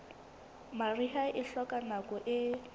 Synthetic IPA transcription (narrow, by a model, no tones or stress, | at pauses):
mariɦaʔɪɬɔkʼanakʼɔʔɪ